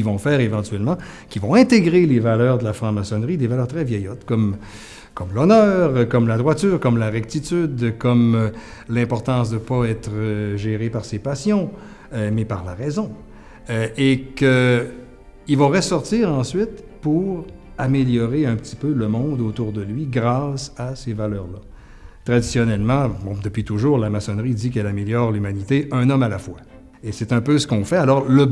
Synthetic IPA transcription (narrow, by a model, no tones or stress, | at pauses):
ivɔ̃fɛːʁevɑ̃t̪ɥɛlmɑ̃ | kʲivɔ̃ɛ̃t̪eɡʁelevalœːʁd̪əlafɑ̃masɔnʁid̪evalœːʁt̪ʁɛvjɛjɔt̪kɔm | kɔmlɔnœːʁkɔmlad̪ʁwat̪yːʁkɔmlaʁɛk̚t̪it̪yd̪kɔm | lɛ̃pɔʁt̪ɑ̃ːsd̪əpaɛːt̪ʁəʒeʁepaʁsepasjɔ̃ | mɛpaʁlaʁɛzɔ̃ | ekə | ilvaʁəsɔʁt̪iːʁɑ̃sɥit̪puʁameljɔʁeœ̃pət̪i̥pøləmɔ̃d̪ot̪uʁd̪əlɥiɡʁaːsasevalœːʁla | t̪ʁad̪isjɔnɛlmɑ̃bɔ̃d̪əpɥit̪uʒuːʁlamasɔnʁid̪ik̬ɛlameljɔːʁlymanit̪eʔɛ̃nɔmalafwa | esɛt̪ɛ̃pøsə̥kɔ̃fɛalɔʁlə